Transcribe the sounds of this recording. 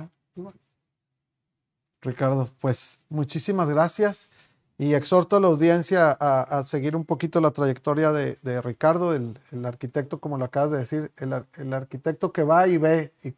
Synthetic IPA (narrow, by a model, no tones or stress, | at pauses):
rikaɾðo̞pwe̞smut͡ʃisimazɣɾasjas | ie̞kso̞ɾt̪oalawðje̞nsjaʔːse̞ɣiɾumpo̞kit̪o̞lat̪ɾaʝe̞kt̪o̞ɾjaðe̞ðe̞rikaɾðo̞elelaɾkit̪e̞k̚t̪o̞ko̞mo̞loakaβazðe̞ðe̞siɾe̞laelaɾkit̪e̞k̚t̪o̞ke̞βaiβei